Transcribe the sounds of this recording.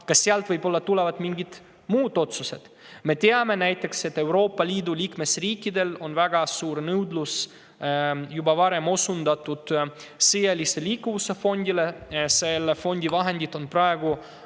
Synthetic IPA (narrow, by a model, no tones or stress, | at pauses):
kɑsːeɑlt̪vɤjbo̞lːɑt̪ulevɑt̪miŋɡid̪̥ | muːd̪̥o̞t̪suse̞d̪̥ | me̞t̪e̞ɑme̞næjt̪ːˑe̞kse̞t̪ːe̞wɾo̞ːpːˑɑliːd̪uliːkme̞sriːkːˑid̪e̞lo̞nvæɡ̥ɑsuːɾnɤwd̪lus | jubɑvɑɾe̞mo̞sund̪ɑt̪ːˑud̪̥ | sejeliseliːkːuvuse̞fo̞nʲd̪ile̞se̞lefo̞nʲd̪ivɑɦe̞nd̪it̪ːˑo̞npɾɑeɡ̥u